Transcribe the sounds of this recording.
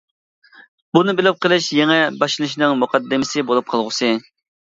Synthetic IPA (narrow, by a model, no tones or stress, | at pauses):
bunɨbɪlɪp̚qəlˠɪʃjeŋɛbɑʃɨlˠɨʃnɨŋmuqʰɑd̪ːɪmɪsɪbolˠup̚qʰɑlˠʁʊsɨ